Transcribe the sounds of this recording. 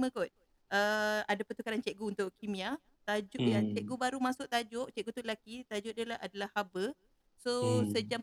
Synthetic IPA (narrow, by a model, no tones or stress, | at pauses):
mə̃kɔt̪̚ | ʔəadapət̪ukaɾant͡ʃɛʔɡuunt̪ʊʔkimĩa | t̪ad͡ʒʊʔʔjaŋt͡ʃɛʔɡubaɾumasʊʔ̚t̪ad͡ʒʊʔt͡ʃɛʔɡut̪ulakit̪ad͡ʒʊʔdalaadalahhabə | sosəd͡ʒa